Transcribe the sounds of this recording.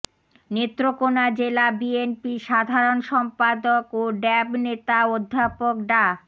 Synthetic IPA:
net̪ːɾokonad͡ʑelabienpiʃad̪ʱaɾonʃɔmpad̪okoɖɛbnet̪aod̪ʱːapokɖa

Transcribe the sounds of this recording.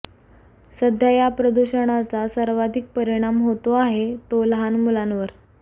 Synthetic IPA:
səd̪ʱjajapɾəd̪uɕəɽ̃at͡sasəɾʋad̪ʱik̚pəɾiɽ̃amɦot̪oaɦet̪olɦanmulanʋəɾ

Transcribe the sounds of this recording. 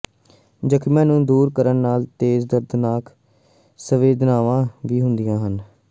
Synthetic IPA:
d͡ʒəkʰmãːnũːd̪uːɾkəɾənːaːlt̪eːzd̪əɾd̪naːk | səʋeːd̪naːʋãːʋiːɦʊnd̪ɪjãːɦən

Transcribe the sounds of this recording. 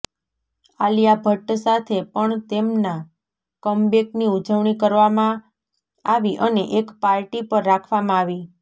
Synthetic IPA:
alijabʱəʈsat̪ʰepəɳt̪emna | kəmbekniud͡ʒəʋɳikəɾʋamã | aʋiʔəneʔekpaɾʈipəɾːakʰʋamãaʋi

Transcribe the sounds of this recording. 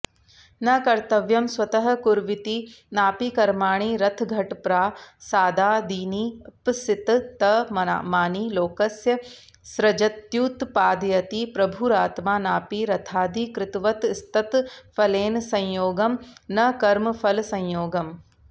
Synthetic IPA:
nɐkɐɾt̪ɐʋjɐmswɐt̪ɐɦɐ̆kuɾʋɪt̪inaːpikɐɾmaːɳ̃iːɾɐt̪ʰɡʱɐʈpɾaːsaːd̪ʱaːd̪iːniːpsɪt̪t̪ɐmɐa̰maːniːloːkɐsjɐ | sɾɐd͡ʒɐt̪juːt̪paːd̪jɐt̪iːpɾɐbʱuɾaːt̪maːnaːpiɾɐt̪ʰaːd̪ikɾɪt̪ʋɐt̪st̪ɐt̪fʰɐleːnsɐ̃jjoːɡɐmnɐkɐɾmɐfʰɐlsɐ̃jjoːɡɐm

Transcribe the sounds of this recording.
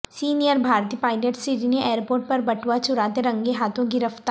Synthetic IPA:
siːnijəɾbʱaːɾt̪ipaːɪleʈsiɾineʔeːəɾpoːɾʈ̚pɐɾbɐʈʰʋat͡ʃʊɾaːt̪eɾɐ̃ŋɡeɦaːt̪ʰõɡɪɾəft̪a

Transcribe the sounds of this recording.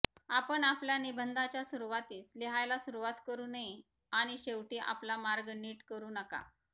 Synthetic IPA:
apəɳapljanibʱənd̪at͡ɕjasuɾuʋat̪iːsleɦajlasuɾuʋat̪kəɾuːnəi | aɽ̃iɕeʋʈiːʔa̰plamaɾɡniːʈkəɾuːnəka̰

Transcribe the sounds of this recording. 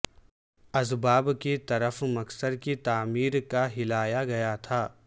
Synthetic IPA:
ɐzbaːbket̪ɐɾəfmɐksəd̪kit̪aːmiːɾkaɦɪlaːjaɡɐjat̪ʰaː

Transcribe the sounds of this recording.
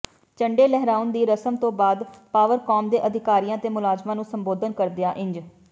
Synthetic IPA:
t͡ʃəɳɖeːlɛɦɾaːʊnd̪iːɾəsəmt̪õːbaːd̪paːʋəɾkɔːmd̪eːʔəd̪ʱɪkaːɾijãːt̪eːmʊlaːzmãːnũːsəmboːd̪ənkəɾd̪ejaːʔɪ̃ɲd͡ʒ

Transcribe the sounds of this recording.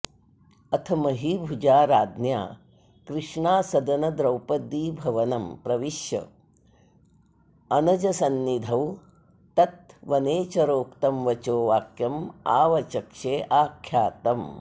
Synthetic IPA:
ɐt̪ʰɐmɐɦibʱud͡ʒaːɾaːd̪nja̰ː | kɾɪʂɳaːsɐd̪ɐnɐd̪ɾɐwpɐd̪ːiːbʱɐʋɐnɐmpɾɐʋiʃjɐ̰ | ɐnɐd͡ʒɐsɐnːid̪ʱɐw | t̪ɐt̪̚ʋɐneːt͡ʃɐɾoːkt̪ɐmʋɐt͡ʃoːʋaːkjɐma̰ːʋɐt͡ʃɐkʂeːʔaːkʰjaːt̪ɐm

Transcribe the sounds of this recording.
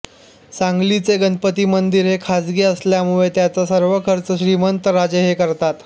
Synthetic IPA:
saŋɡlit͡seɡənpət̪iːmənd̪iːɾɦekʰad͡zɡiːəsljamuɭet̪jat͡sasəɾʋəkʰəɾt͡səɕɾimənt̪əɾad͡ʑeɦekəɾt̪at̪

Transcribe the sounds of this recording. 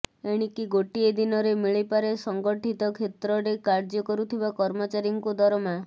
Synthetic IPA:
eɽ̃ikiɡoʈied̪inɔɾemiɭipaɾesɔŋɡɔʈʰit̪ɔkʰet̪ɾɔɾekaɾd͡ʒɔkɔɾut̪ʰibakɔɾmɔt͡ʃaɾjɔŋkud̪ʱɔɾɔma

